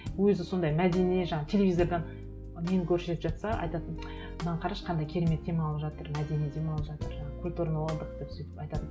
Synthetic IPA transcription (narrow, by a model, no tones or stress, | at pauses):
wɵzɪso̞nd̪ɑjmæd̪e̞ne̞ʒɑɴɑt̪ʰe̞lʲevʲijzo̞rd̪ɑn | menɪkʲʰɵɾʃet̪ɪpʒɑt̪sɑʔɑ̰jt̪ɑt̪ən | nɑɴqʰɑɾɑʃqʰɑnd̪ɑjkʲʰe̞ɾeme̞t̪̚ːe̞mɑlˠəpʒɑt̪əɾmæd̪e̞ned̪e̞mɑlˠəpʒɑt̪əɾʒɑɴɑkʲʰulʲt̪uɾanəwolˠɑnd̪əqd̪epsɵjt̪ɪ̥pɑjt̪ɑt̪ən